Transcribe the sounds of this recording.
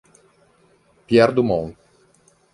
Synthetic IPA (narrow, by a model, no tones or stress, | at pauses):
pjɛɾd̪umɔ̃ŋ